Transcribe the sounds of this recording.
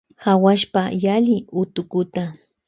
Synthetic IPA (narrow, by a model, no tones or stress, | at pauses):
hawaʃpajalɪʊt̪ʊkʊt̪a